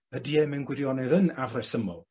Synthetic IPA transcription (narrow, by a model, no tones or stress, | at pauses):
ədiɛmɛnɡwɪdjɔnɛðənavrɛsəmɔlˠ